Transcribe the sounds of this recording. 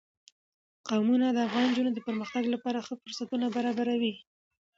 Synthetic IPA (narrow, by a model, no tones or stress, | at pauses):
qawmunad̪əafɣɑnd͡ʒunod̪əpəɾməxt̪aɡlapɑɾaxəfʊɾsat̪unabaɾɑbaɾawi